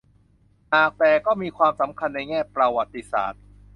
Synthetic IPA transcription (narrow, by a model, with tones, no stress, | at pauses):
naː˨˩k̚t̪ɛː˨˩kɔː˥˩miː˧kʰwaː˧msa˩˦mkʰa˧nːa˧jŋɛː˥˩pɾa˧wa˨˩t̪ːi˧˦sa̰ː˨˩t̪̚